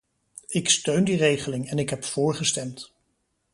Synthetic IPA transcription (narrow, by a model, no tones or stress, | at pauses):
ɪkstøɥndirejχəlɪŋɛnɪkɦɛpfʊːɹχəstɛmt